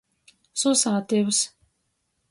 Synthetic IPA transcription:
susaːt̪ews

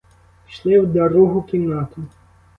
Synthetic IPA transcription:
ʃlˠɪwd̪ɐɾuɦʊkʲiwnɑt̪ʊ

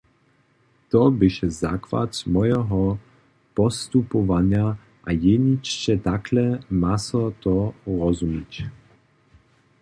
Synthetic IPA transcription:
t̪ɔbɪʃɛza̰kva̰t̪mɔjɛɦɔ | pɔst̪upɔvaɲja | ʔajɛɲit͡ʃt͡ʃɛt̪aklɛmasɔt̪ɔʁɔzumic

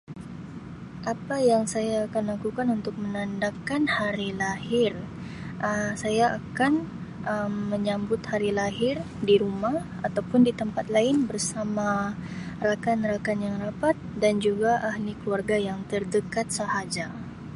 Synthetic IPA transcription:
ʔapajaŋsajaːkanlakukanunt̪ʊk̚mənandakanhaɾilahɪr | ʔəsajaʔːkanʔəmːəɲambʊt̪haɾilaɦɪr | diɾumah | at̪awpʊndit̪əmpat̪̚laɪnbərsama | rakanɾakanjaŋrapat̪̚dand͡ʒuɡaʔahlikluarɡajaŋt̪ərdəkat̪̚səhad͡ʒa

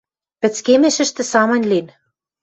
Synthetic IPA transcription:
pɘ̆t͡skemĕʃɘ̆ʃt̪ɘ̆sɑmɤ̆nʲlin

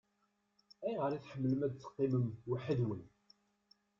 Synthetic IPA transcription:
æjʁəɾˤiθħəmːələmæd̪t͡sːə̥qːiməmwəħəðwən

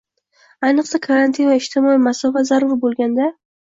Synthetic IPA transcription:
ajnɨqsakʰaɾant̪ʰinvaɪʃt̪ʰɪmɒimasɒfat̪zaɾʊɾbolˠɡʲand̪a

